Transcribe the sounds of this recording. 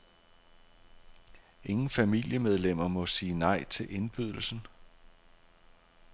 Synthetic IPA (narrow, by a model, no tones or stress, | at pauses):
e̝ŋn̩fæmil̰jəmeð̞ˠlem̰ɐmɔ̽siːnɑ̈ɪ̰t͡sʰe̝lʔe̝nb̥yð̞̰ˠl̩sn̩